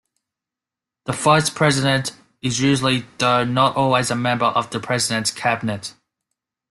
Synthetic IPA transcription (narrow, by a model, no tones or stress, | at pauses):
ðəfaɪspʰɹ̥ɛzɪɾə̃nt | ɪzjʉːʒəl̩ˠiðəʊnətɔːlˠwizəmɛ̃mbəɹʔəvðəpʰɹ̥ɛzɪɾə̃ntskʰæbɪnət